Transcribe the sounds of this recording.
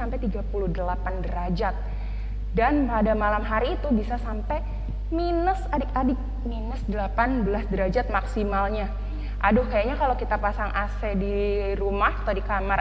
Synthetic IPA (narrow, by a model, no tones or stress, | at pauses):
ampɛjt̪iɡapulʊhdəlapandəɾad͡ʒat̪̚ | danpadamalamɦaɾiːt̪ubisasampɛ | minəsadɪk̚adɪk̚ | minəsdəlapanbəlasdəɾad͡ʒat̪̚maksimalɲa | ʔadʊhkajaɲakalawkit̪apasaŋʔasɛdi | ɾumahat̪adikamar